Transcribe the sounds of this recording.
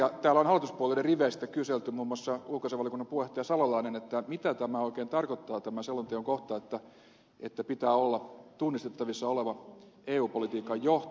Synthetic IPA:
jɑt̪æːlːæonhɑlːˑit̪uspuoleleriʋeist̪ækyselt̪ymuːmːoɑsːɑulkoseʋɑliokunːɑmpueht̪ːˑejɑsɑlɑlɑinenet̪ːæmit̪æt̪æmæoikeːnt̪ɑrkot̪ːɑːt̪æmæselːɑnt̪eoŋkoht̪ɑet̪ːæ | et̪ːæpit̪æːolːɑt̪unːist̪et̪ːɑʋisːɑoleʋɑ | eːuːpolit̪iːkːɑjjoht̪

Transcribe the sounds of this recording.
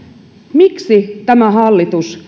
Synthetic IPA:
miksit̪æmæɦɑlːit̪us

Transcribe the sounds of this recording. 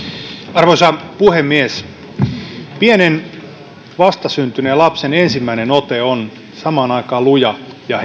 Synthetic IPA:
ɑrʋoisɑpuhemːies | pienen | ʋɑst̪ɑsynt̪ynelɑpsenensimːæinenot̪eon | sɑmɑːnɑikɑːlujɑ | jɑ

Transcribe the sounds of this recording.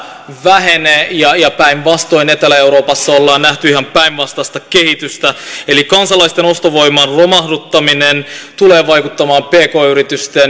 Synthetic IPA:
ʋæɦeneːjɑjɑpæinʋɑst̪o̞inet̪elæe̞wɾoːpɑsːɑolːɑːnnæht̪yiɦɑmpæinʋɑst̪ɑst̪ɑke̞hit̪yst̪æelikɑnsɑlɑist̪eno̞st̪oʋo̞jmɑnro̞mɑhdut̪ːɑminent̪ule̞ːʋɑjkut̪ːɑmɑːmpeːko̞ːyɾit̪yst̪en

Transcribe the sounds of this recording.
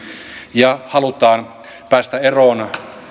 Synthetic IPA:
jɑhɑlut̪ɑːn | pæːst̪æeroːn

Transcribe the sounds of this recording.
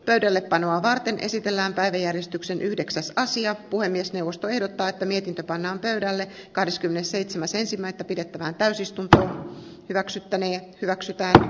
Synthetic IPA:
pøydælːeppɑnoɑːʋɑrt̪e̞nʔḛsit̪elːæːmpæiʋæjærjest̪yksenʔyhde̞ksæsɑsiɑpuhemːiesneuʋost̪oe̞hdot̪ːɑːet̪ːæmiet̪int̪øpɑnːɑːmpøydælːekɑhdeskymːenesseit̪semæse̞nsimːæet̪ːæpide̞t̪ːæʋæːnt̪æysist̪unt̪o̞ːhyʋæksyt̪ːæneːhyʋæksyt̪æːn

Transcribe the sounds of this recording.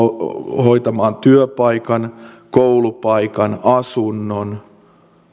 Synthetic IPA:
hoit̪ɑmɑːnt̪yøpɑikɑnkoulupɑikɑnɑsunːon

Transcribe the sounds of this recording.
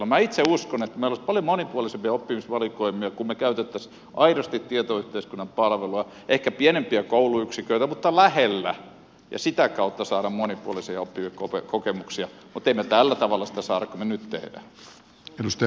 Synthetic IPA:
kylːomæit̪seuskonet̪ːmeilospɑljomonipuɑlisempiɑopːimisʋɑlikoimːˑiɑkummekæyt̪et̪ːæs | ʔɑiɾost̪it̪t̪iet̪oyht̪eiskunːɑmpɑlʋeluɑ | ʔehkæpienempiækouluyksikøit̪æmut̪ːɑlæhelːæ̰ | jɑ̰sit̪ækɑut̪ːɑsɑːɾɑmmonipuolisiɑopːimikopḛkokemuksiɑmut̪eimet̪ælːæt̪ɑʋɑlːɑsi̥t̪æsɑːɾɑkkomenyt̪t̪ḛhdæ̰ | edust̪

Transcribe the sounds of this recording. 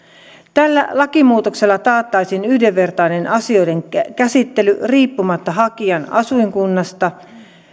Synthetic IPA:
t̪ælːæ̰lɑkimuːt̪o̞kse̞lːɑt̪ɑːt̪ːɑjsinyhdeʋːe̞rt̪ɑjne̞nʔɑsio̞jde̞ŋkæsit̪ːe̞lyriːpːumɑt̪ːɑɦɑkiɑnɑ̰suiŋkunːɑst̪ɑ

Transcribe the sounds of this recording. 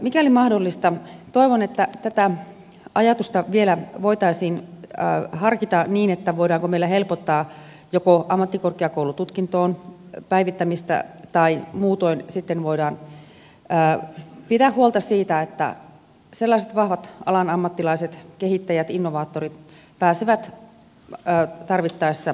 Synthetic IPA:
mikæolimɑhdolːist̪ɑt̪oiʋonet̪ːæt̪æt̪æ | ɑjɑt̪ust̪ɑʋielæʋoit̪ɑisiːnː | hɑrkit̪ɑniːnet̪ːæʋoidɑːŋkomeilːæhelpot̪ːɑː | jokoʔɑmːɑt̪ːikorkeɑkoulut̪ut̪kint̪oːnpæiʋit̪ːæmist̪ɑ̰t̪ɑimuːt̪oinsit̪ːenʋoidɑːnː | pit̪æhhuolt̪ɑsiːt̪æet̪ːæ̰ | selːɑiset̪ʋɑhʋɑt̪ɑ̰lɑnɑmːɑt̪ːilɑiset̪kehit̪ːæjæt̪inːoʋɑːt̪ːorit̪ | pæːseʋæt̪ | t̪ɑrʋit̪ːɑisːɑ

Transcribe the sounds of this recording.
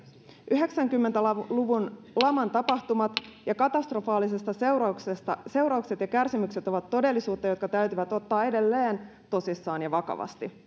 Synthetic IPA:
ʔyɦe̞ksæŋkymːe̞nt̪æluʋun | lɑmɑnt̪ɑpɑht̪umɑt̪jɑkɑt̪ɑst̪rofɑːlise̞st̪ɑswrɑksest̪ɑse̞wɾɑukse̞t̪jɑkærsimykse̞t̪o̞ʋɑt̪ːo̞de̞lːisuːt̪ːɑjo̞t̪kɑt̪æyɥt̪yʋæt̪o̞t̪ːɑːe̞de̞lːeːnt̪o̞sisːɑːnjɑʋɑkɑ̰ʋɑ̰st̪i

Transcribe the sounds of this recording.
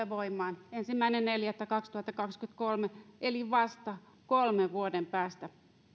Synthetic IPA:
eʋoimːˑɑːnensimːæinenneljæt̪ːækɑkst̪uhɑt̪ːɑkɑkskyt̪kolmeʔeliʋɑst̪ɑ | kolmeʋʋuodempæːst̪æ

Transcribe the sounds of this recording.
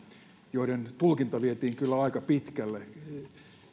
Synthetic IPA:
joiɾent̪ulkint̪ɑʋiet̪iːŋkylːæɑikɑpit̪kælːe

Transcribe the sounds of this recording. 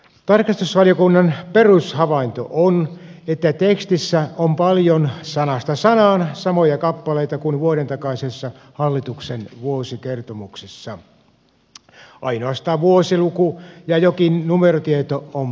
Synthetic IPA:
t̪ɑrkɑst̪usʋɑlijokunːɑnperushɑʋɑint̪o̰ʔon | et̪ːæt̪ekst̪isːæompɑljonsɑnɑst̪ɑsɑnɑːnsɑmojɑkɑpːɑleit̪ɑkunʋuoɾent̪ɑkɑisesːɑ | hɑlːit̪uksenʋuosikert̪omuksesːɑ | ʔɑ̰inoɑst̪ɑːʋʋuosilukujɑjokinnumerot̪iet̪oom

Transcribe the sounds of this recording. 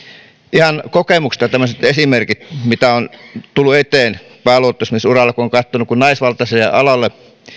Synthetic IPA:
ihɑnkokemukst̪ɑt̪æmːˑøset̪esimerkit̪mit̪æont̪ulːuet̪eːnpæːloot̪ːˑosmisurɑlːˑɑkuoŋkɑt̪ːonukunnɑisʋɑlt̪ɑselḛʔɑlɑlːe

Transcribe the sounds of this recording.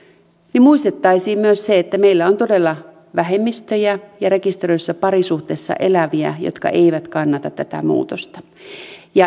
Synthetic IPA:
nimmuist̪et̪ːɑisiːmmyøsseet̪ːæmeilːæont̪odelːɑ | ʋæɦemːist̪øjæjɑɾe̞kist̪erøisːɑpɑɾisuht̪eːsːɑ̰ʔelæʋiæ̰jo̰t̪kɑ̰ʔeiʋæt̪kɑnːɑt̪ɑt̪t̪ːæt̪æ̰mṵːt̪ost̪ɑ̥ | jɑ

